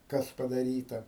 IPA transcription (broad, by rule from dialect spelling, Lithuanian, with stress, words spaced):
ˈkɐs pɐdɐˈrʲiːtɐ